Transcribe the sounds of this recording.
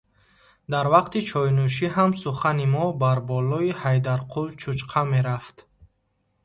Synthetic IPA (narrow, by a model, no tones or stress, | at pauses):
d̪aɾvaqt̪it͡ʃʰɔjnuʃ̬iɦamsuχanimɔbaɾbɔlɔihajd̪aɾqʰult͡ʃʰut͡ʃqʰame̞ɾaft̪